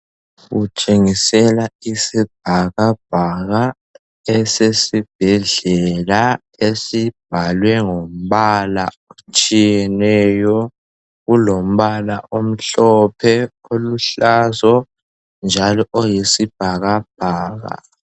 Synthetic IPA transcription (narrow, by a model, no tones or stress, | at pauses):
ɣut͡ʃʼeŋisɛlaisib̥̚ʱaɣab̥ʱaɣa | ɛsesib̥ʱɛɮɛla | esib̥ʱalwɛŋom̩βala̰ | ot͡ʃʼijɛnɛjɔ | ɣulom̩βala̰ʔom̩ɬɔpʰɛ | oluɬazɔ | nd͡ʒʱalɔʔojisib̥̚ʱaɣab̥̚ʱaːɣa̰